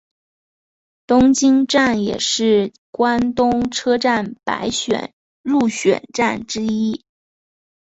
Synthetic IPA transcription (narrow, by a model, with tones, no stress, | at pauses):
t̪ʊ˥ŋt͡ɕi˥ŋʈ͡ʂa˥˩njɛ̰˨˩ʂɻ̩˥˩ | kwa˥nt̪ʊ˥ŋʈ͡ʂʰɤ˥ʈ͡ʂa˥˩npa̰˧˥ɪɕɥɛ̰˨˩˦n | ɻu˥˩ɕɥɛ̰˨˩nʈ͡ʂa˥˩nʈ͡ʂɻ̩˥i˥